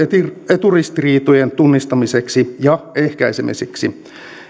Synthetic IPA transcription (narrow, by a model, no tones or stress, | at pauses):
et̪urist̪iriːt̪ojent̪unːist̪ɑmiseksijɑehkæisemḭseksi